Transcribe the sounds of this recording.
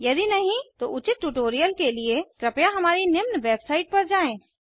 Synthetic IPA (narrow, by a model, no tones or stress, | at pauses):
jɐd̪inɐɦĩt̪oʔʊt͡ʃɪt̪̚ʈuʈoːɾijəlkeliekɾɐpjaɦɐmaːɾinɪmnʋeːbsaːɪʈ̚pɐɾd͡ʒaːẽː